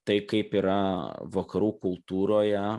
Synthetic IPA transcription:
t̪ɐɪkɐɪpiːɾɐʋɐkɐɾuːkʊlˠt̪uːɾoːjɛ

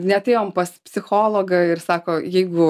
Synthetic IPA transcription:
nʲɛɐtʲeːjoːmpɐspʲsʲɪxoːlˠoːɡɐɪrsɑːkoːjɛɪɡʊ

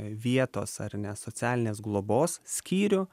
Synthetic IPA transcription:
ʋʲiɛt̪o̰ːsɐ̰ɾnʲɛsoːt͡s̪ʲæːlʲɪnʲeːsɡlˠoːboːssʲkʲiːɾʲʊ

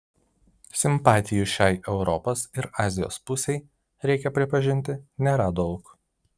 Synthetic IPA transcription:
sʲɪmpɑːt̪ʲɪjʊʃʲæːɪʔɛʊɾɔpɐsɪɾɑːzʲɪjo̰ːspʊsʲɛɪ | ɾʲɛɪkʲɛpʲɾʲɪpɐʒʲɪnʲt̪ʲɪnʲɛɾɑd̪ɔʊk

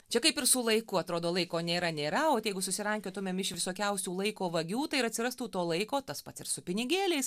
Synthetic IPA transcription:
t͡ʃʲɛkɐɪpɪrsʊlˠɐɪkʊɐt̪ɾoːd̪oːlˠɐɪkoːnʲeːɾɐnʲeːɾɐoːt̪jɛɪɡʊsʊsʲɪɾɐŋʲkʲoːt̪ʊmʲeːmɪʃʋʲɪsoːkʲɛʊsʲuːlˠɐɪkoːʋɐɡʲuːt̪ɐɪɪɾɐt̪ʲsʲɪɾɐst̪uːt̪oːlˠɐɪkoːt̪ɐspɐt̪sɪɾsʊpʲɪnʲɪɡʲeːlʲɛɪs

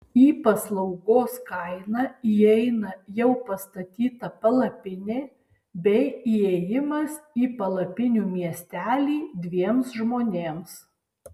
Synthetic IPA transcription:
iːpɐslˠɐʊɡoːskɐɪnɑiɛɪnɐjɛʊpɐst̪ɐt̪ʲiːt̪ɐpɐlˠɐpʲɪnʲeː | bʲɛɪiːɛjɪmɐsiːpɐlˠɐpʲɪnʲuːmʲiɛsʲt̪ʲæːlʲiːd̪ʲʋʲiɛmsʒmoːnʲeːms

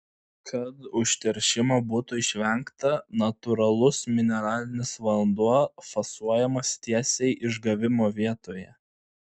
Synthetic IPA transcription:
kʰɐt̪ʊʃʲt̪ʲɛɾʲʃʲɪmɐbuːt̪ʊɪʃʲʋʲɛŋkt̪ɐnɐt̪ʊɾɐlˠʊsmʲɪnʲɛɾɑːlʲɪnʲɪsʋɐlˠnd̪uɔfɐsuɔjɛmɐst̪ʲiɛsʲɛɪʔɪʒɡɐʋʲɪmoːʋʲiɛt̪oːjɛ

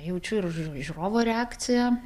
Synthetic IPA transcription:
jɛʊt͡ʃʲʊɪrʒʲuɾoːʋoːɾʲɛɑːkt̪sʲɪjɛ

